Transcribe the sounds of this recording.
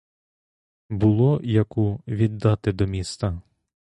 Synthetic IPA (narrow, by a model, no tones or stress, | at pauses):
bʊlˠɔjɐkuʋʲid̪ːɑt̪ɪd̪ɔmʲist̪ɐ